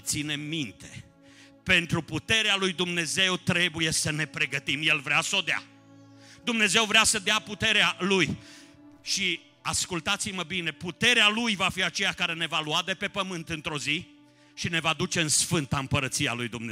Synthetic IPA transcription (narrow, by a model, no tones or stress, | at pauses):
t̪sine̞mint̪e̞̥̰ | pe̞nt̪ɾuput̪e̞ɾealujd̪umne̞ze̞wt̪ɾe̞buje̞səne̞pɾe̞ɡət̪imje̞lvɾeasəo̞d̪ea̰ | d̪umne̞ze̞wvɾeasəd̪eaput̪e̞ɾealuj | ʃi | askult̪at̪siməbine̞put̪e̞ɾealujvafiat͡ʃe̞jakaɾe̞ne̞valuad̪e̞pe̞pəmɨnt̪ɨnt̪ɾo̞zi | ʃine̞vad̪ut͡ʃe̞ɨnsfɨnt̪aɨmpəɾət̪sia̰lujd̪umne